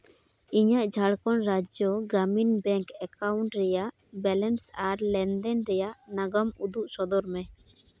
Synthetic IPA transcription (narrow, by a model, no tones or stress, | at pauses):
iɲaʔd͡ʒʱaɽkɔnɾad͡ʒɔɡɾaminbɛ̃ŋkɛkawɳʈɾɛjaʔ | bɛlɛnsaɾlɛnd̪ɛnɾɛjaʔnaɡɔmud̪uʔsɔd̪ɔɾmɛ